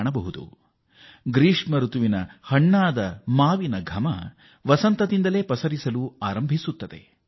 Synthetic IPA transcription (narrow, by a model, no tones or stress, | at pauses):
ɳɐbɐɦud̪ṵ | ɡɾiːʂmɐɾut̪uʋinɐhɐɳːaːd̪ɐmaːʋinɐɡʱɐmɐ | ʋɐsɐnt̪ɐd̪ind̪ɐle̞ːpɐsɐɾisɐluaːɾɐmbʱisut̪ːɐd̪e̞